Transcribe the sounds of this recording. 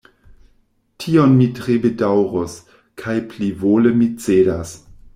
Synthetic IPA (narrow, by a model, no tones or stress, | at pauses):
tʰionmitɾebedawɾos | kʰajplivoləmit͡sedas